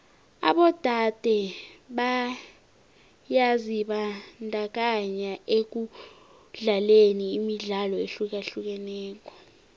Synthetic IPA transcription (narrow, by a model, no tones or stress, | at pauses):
a̰ɓɔd̥ʱad̥ʱɛɓa | jaziɓandʱak̬aɲaʔek̬u | ɮaleniːmiɮalɔeɬuk̬aɬuk̬ɛnɛːk̬ɔ̥